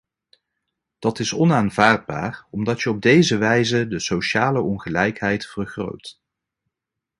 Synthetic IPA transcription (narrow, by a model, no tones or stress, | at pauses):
d̥ɑtɪsɔnaːnvaːɹd̚ba̰ːrɔmdɑtjəɔb̚dejzəʋɛjzədəsowʃaːləɔnχəlɛjkɦɛjtfərχro̰wt